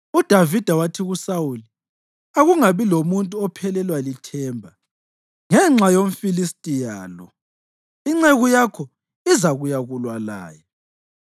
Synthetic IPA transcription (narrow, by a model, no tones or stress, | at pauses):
ud̥ʱavid̥ʱawatʰiɣusawuli | aɣuŋaβilomuntʼuɔpʰɛlɛlwalitʰɛːmbʱa | ŋɛŋ͡ǁajom̩filistʼijaːlɔ̰ | iŋ͡ǁeɣujakʰɔ | izaɣujaɣulwala̰ːjɔ